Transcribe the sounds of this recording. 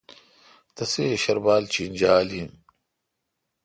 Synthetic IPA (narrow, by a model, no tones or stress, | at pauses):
t̪ɐseɕɐɾbaːlt͡ɕind͡ʑaːlim